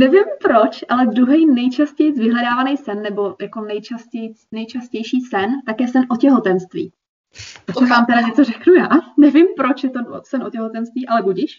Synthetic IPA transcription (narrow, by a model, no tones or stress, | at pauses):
nɛvɪmpɾo̞t͡ʃʔalɛd̪ɾuɦɛjnɛjt͡ʃascɛjt͡svɪɦlɛdaːvanɛjsɛnːɛbo̞jʔako̞nɛjt͡ʃascɛjt͡snɛjt͡ʃascɛjʃiːsɛnt̪akjɛsɛnʔo̞cɛɦo̞t̪ɛnst̪vḭː | t̪asɛvaːmt̪ɛdaɲɛt͡sorɛknujaːnɛvɪmpɾo̞t͡ʃjɛt̪osɛnʔocɛɦot̪ɛnst̪viːʔalɛbuɟiʃ